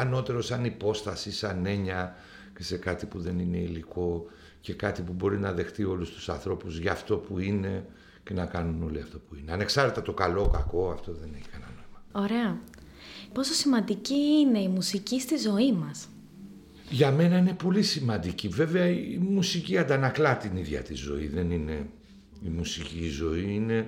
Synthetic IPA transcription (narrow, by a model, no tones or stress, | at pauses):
ɐno̞t̪e̞ɾo̞sɐnipo̞st̪ɐsisɐne̞ɲɐ | ce̞se̞kɐt̪ipuðe̞nine̞iliko̞ | ce̞kɐt̪ipubo̞ɾinɐðe̞xt̪io̞lust̪u̥sɐ̰nθɾo̞puzʝɐːft̪o̞puine̞ | ce̞nɐkɐnuno̞liɐft̪o̞puine̞ɐne̞ksɐɾet̪et̪o̞kɐlo̞kɐko̞ɐft̪o̞ðe̞ne̞çi̥kɐnɐno̞imɐo̞ɾeɐ | po̞so̞simɐnd̪iciine̞imusicist̪izo̞imɐs | ʝɐme̞nɐine̞po̞lisimɐnd̪icive̞ve̞ɐiimusiciɐnd̪ɐnɐklɐt̪iniðʝɐ̰t̪izo̞̰iðe̞nine̞ | imusicizo̞iine̞